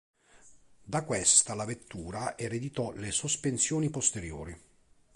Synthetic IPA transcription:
d̪akwɛst̪alavet̪ːuːɾaʔeɾed̪it̪ɔlesospensjoːnipost̪eɾjo̰ːɾi

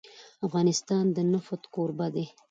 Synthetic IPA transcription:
afɣɑnɪst̪ɑnd̪ənafʊt̪koɾbad̪e

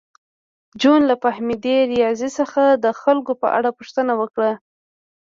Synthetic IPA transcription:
d͡ʒonlapahmid̪eɾijɑzisəxad̪əxalkopə̰ʔa̰ɽapuʃt̪ənawəkɽa

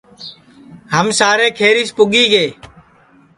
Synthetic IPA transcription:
ɦəmsaːɾeːkʰeːɾiːspʊɠiːɡeː

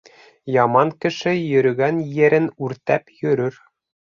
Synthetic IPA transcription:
jɑmɑŋkɘ̆ʃɘjɵ̆ɾɘ̆ɡænjɘ̆ɾɘnʉɾt̪æpjɵ̆ɾɵɾ

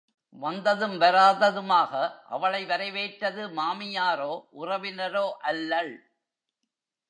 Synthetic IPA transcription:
ʋɐnd̪ɐðɯmʋɐɾaːðɐðɯmaːɣɐʔɐ̰ʋɐɭɐɪʋɐɾɐɪʋeːʈɾɐðɯmaːmɪjaːɾoːʔʊrɐʋɪnɐɾoːʔɐlːɐɭ

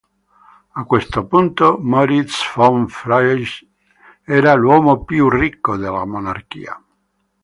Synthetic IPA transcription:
akːwest̪opunt̪omɔɾit̪sfɔɱfɾajʃ | ɛːɾalwɔːmopjurikːod̪elːa̰monark̟ḭːa̰

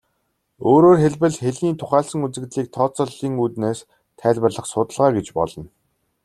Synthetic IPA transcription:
oːɾoːrxeɮpɘ̆ɮxeɮniːnt̪ʰʊχæːɮsə̆ŋut͡sɘ̆kt̪ɮiːk̚t̪ʰɔːt͡sɞ̆ɮːiːŋut̪neːs | t̪ʰæːɮʲpə̆rɮə̆χsʊt̪ə̆ɮʁaːɡet͡ɕpɔ̰ɮɞ̆n

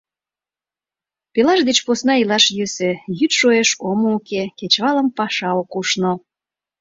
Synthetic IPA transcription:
pelɑʃd̪et͡ɕposnɑilɑʃjøsøjyt̪ʃoeʃomoukeket͡ɕβɑləmpɑʃɑokuʃno

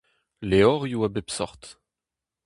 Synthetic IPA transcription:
leɔʁjuabepsɔʁt̪

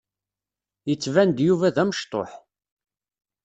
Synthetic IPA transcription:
jət͡sːvænd̪juvæðæməʃt̪ˤo̰ħ

